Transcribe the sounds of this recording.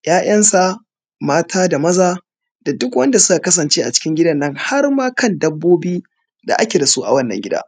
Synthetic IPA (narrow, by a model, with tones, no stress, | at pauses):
jaː˦jʔɐ˦nsa˨ | maː˦tʰaː˦da˨mɐ˦zaː˦ | d̥a˨dʊ˦kwɐ˦nda˨sʊ˦ka˨kɐ˦s̬ɐ˨nt͡ʃeː˦ʔa˨t͡ʃɪ̥˦kʲɪ˦ŋɡʲɪ˦dɐ˦˨nːɐ˦ŋha˦rmaː˦kɐ˦˨ndɐ˦bːoː˦biː˦ | da̰˨ʔa˦kʲe˨da˨su˦ʔa̰˨wɐ˦nːɐ̰˨ŋɡʲɪ˦da̰ː˦